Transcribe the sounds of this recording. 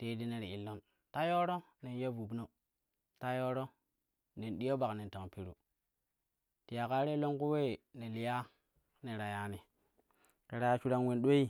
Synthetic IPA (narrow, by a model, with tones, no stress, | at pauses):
te˦di˦ne˦˨ɾi˨i˨lːo˦n | ta˦jo˦ɾo˦ | ne˨n˦jo˦vu˨bno˨ | ta˦jo˦ɾo˦ | ne˨nɗi˦o˦ba˨kne˨nta˨ŋpi˦ɾṵ˨ | ti˨ja˨ka˦ɾe˦lo˦nku˦we˦˨ne˨li˨ja˦ | ne˨ɾa˨ja˦ni˨ | ke˨ɾa˦t͡ʃu˦ɾa˦nwe˦nɗo˦i˦